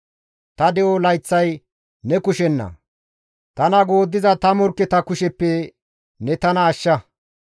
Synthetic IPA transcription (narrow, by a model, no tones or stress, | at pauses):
t̪ɐd̪ɛʔolɐjt͡sːɐj | nɛkʊʃɛnːɐ̰ | t̪ɐnɐɡoːd̪ːɪzɐt̪ɐmɔɾkːɛt̪ɐkʊʃɛpːɛ | nɛt̪ɐnɐːʃːɐ